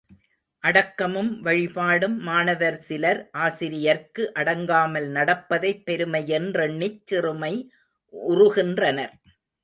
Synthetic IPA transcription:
ʔɐɽɐkːɐmɯmʋɐɻɪpaːɽɯmːaːnɐʋɐɾsɪlɐɾʔaːsɪɾɪjɐɾkɯʔɐɽɐŋɡaːmɐlnɐɽɐpːɐðɐɪpːɛɾɯmɐjɛndrɐnːɪt͡ʃːɪrɯmɐɪ | ʔʊrʊɣɪndrɐnɐɾ

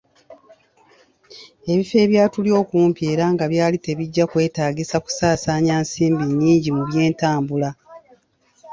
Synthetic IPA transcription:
e̞βife̞ːβjaːtulio̞ːkuːmpie̞ːɾaːŋɡaβjaːlite̞βiɟːakwe̞ːtaːɡisaku̥saːsaːɲaːnsiːmbiɲːiːɲɟimuβje̞ːntaːmbula

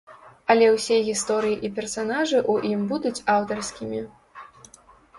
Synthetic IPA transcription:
ɐlʲɛwsʲɛɣʲist̪ɔɾɨjiʔipʲɛrsanaʐɨʔuʔimbud̪ut͡sʲawt̪ɐrskʲimʲi

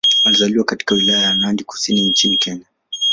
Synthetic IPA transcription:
walizaliwakati̥kawilajajanandiku̥siniɲt͡ʃinikɛɲa

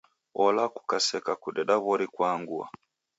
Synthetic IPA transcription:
ɔlaku̥kasɛkakuɗɛɗaβɔɾikwaŋɡua̰

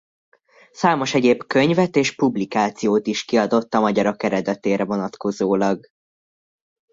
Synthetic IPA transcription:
saːmo̞ʃɛɟeːbkøɲvɛt̪eːʃpublikaːt̪sijoːt̪iʃkiɒd̪o̞t̪ːɒmɒɟɒɾɒkɛɾɛd̪ɛt̪eːɾɛvo̞nɒt̪ko̞zoːlɒɡ

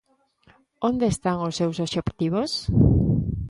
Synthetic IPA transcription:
ond̪eest̪aŋʊsːewsoʃopt̪iβos

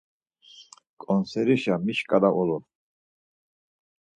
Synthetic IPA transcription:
kʼɔnsɛɾiʃamiʃkʼad̪aʔɔlɔ

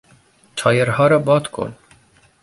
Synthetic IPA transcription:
t͡ʃʰɔːjeɾhɔːɾɔbɔːt̪kʰo̰n

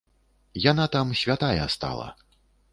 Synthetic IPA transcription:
janat̪amsʲvʲat̪ajɛst̪a̰lˠɐ̰

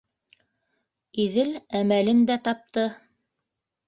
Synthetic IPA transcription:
iðɘlæmælɘnd̪æt̪ɑp̚t̪ɤ

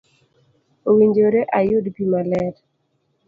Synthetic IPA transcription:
owiɲd͡ʒoɾeʔajʊdbimalɛt

